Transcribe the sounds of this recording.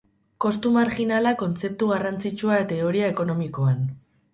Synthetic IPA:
ko̞st̪umaɾxinalako̞nt͡se̞p̚t̪uɣarant͡sit͡ʃuaet̪e̞o̞ɾiae̞ko̞no̞miko̞an

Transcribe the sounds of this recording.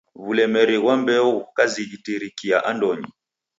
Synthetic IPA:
βulɛmɛɾiɣwambɛukaziɣitiɾikiaʔandɔɲḭ

